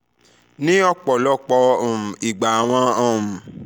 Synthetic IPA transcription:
nĩ˦ɔ˧k͡pɔ˨lɔ˦˨k͡pɔ̃˧˨i˨ɡ͡ba˨a˨w̃ɔ̃˧ɔ̃˧˨m̩˨

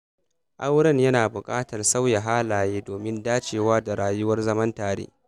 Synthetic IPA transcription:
ʔa˦wɽɐ˦ɲjɐ˦naː˨bʊ˨kʼaː˦tɐ˨rsa˦wja˨ɦaː˦laː˨jeː˦doː˨mɪ˦ndaː˦t͡ʃeː˨waː˦da˨ɽaː˨jʊ˦wɐ˦rzɐ˦mɐ˦ntaː˨ɽḛː˦

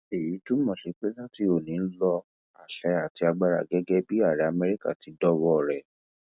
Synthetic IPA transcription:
e˨ji˨˦tũ˦mɔ̃˨ʃe˨˦k͡pe˦lã˦ti˧o˨nĩ˨˦n̩˦lɔ˧ | a̰˨ʃɛ˨˦a˨ti˧a˧ɡ͡ba˧ɾa̰˦˨ɡɛ˦ɡɛ˦bi˦a˦˨ɾɛ˨˦a˧mɛ˧ɾi˦ka̰˦˨ti˨˦dɔ˦wɔ˧˨ɾɛ˨

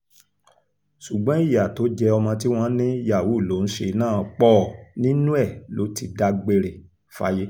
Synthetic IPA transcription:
ʃu˨ɡ͡bɔ̃˨˦i˦˨ja˨to˨˦d͡ʒɛ˧ɔ˧mɔ̃˧t̬i˦w̃ɔ̃˦nĩ˦ja˨wu˨˦˨lo˨˦n̩˦ʃe˧nãː˦˨k͡pɔː˦˨nĩ˦nũ˦ɛ˦˨lo˨˦ti˧da˧ɡ͡be˧ɾe˨ | fa̰˦je˦

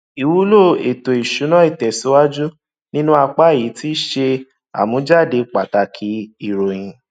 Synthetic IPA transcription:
i˨wu˨˦lo˦˨e˨to˨i˨ʃu˨˦nã˦i˦˨tɛ˨si˨˦wa˦d͡ʒu˦ | nĩ˦nũ˦a˧k͡pa˦˨ji˨˦ti˦ʃe˧ | a̰˨mũ˨˦d͡ʒa˦˨de˧k͡pa˨ta˨kʰi˨˦i˦˨ɾo˨j̃ĩ˨

